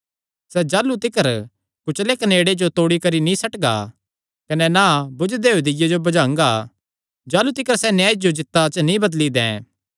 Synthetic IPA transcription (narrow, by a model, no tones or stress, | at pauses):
sɛd͡ʒaːlut̪ɪkəɾ | kʊt͡ʃlekɐneːɽed͡ʒot̪oːɽikɐɾinĩsɐʈɡa̰ | kɐnɛnabʊd͡ʒd̪eːɦuːd̪ɪjad͡ʒobɐd͡ʒãːŋɡa | d͡ʒaːlut̪ɪkəɾsɛnjaːd͡ʒod͡ʒɪt̪ːat͡ʃnĩbɐd̪lid̪ɛ̰̃ː